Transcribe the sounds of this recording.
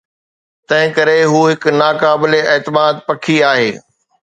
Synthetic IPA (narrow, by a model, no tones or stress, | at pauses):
t̪ɐ̃ɦɪ̃kɐɾeɦuːɦɪknaːkaːbɪleɛːt̪ɪmaːd̪̚pɐkʰiaːɦeː